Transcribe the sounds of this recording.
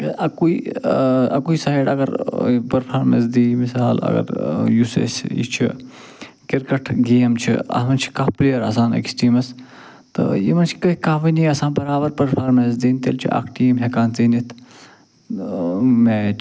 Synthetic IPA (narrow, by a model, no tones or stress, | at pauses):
kɐɐkui | ɐ̰kuisaːjɖɐɡɐɾpɐɾpʰaːɾmḛns̬d̪iːmisaːlɐ̰ɡɐ̰ɾjusḛsḭt͡ʃʰi | kiɾkɐʈʰɡeːmt͡ʃʰḭɐ̰mɐnt͡ʃʰi̥kaːfpliːjɐɾɐ̰saːnḛksʈiːmɐs | t̪ɨ̰jḭmɐnt͡ʃʰi̥kɐɦikaːfɐniɐsãːnbɐɾaːbɐɾpɐɾpʰaːɾmes̬d̪iːnt̪ḛlʲt͡ʃʰḭʔa̰ːkʰʈiːmɦekaːnt͡siːnit̪ʰ | meː